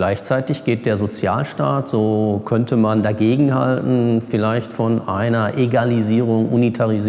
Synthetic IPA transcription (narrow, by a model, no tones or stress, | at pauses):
laɪçt͡saɪtɪçɡ̥eːt̚d̥eːɐzot͡sja̰ːlʃtaːtz̥oːkʰœntəmandaɡeːɡŋ̩ha̰ltn̩fɪlaɪçtfɔnʔaɪnɐʔeɡaliziːʁ̞ʊŋʔṵnitʰaʁiz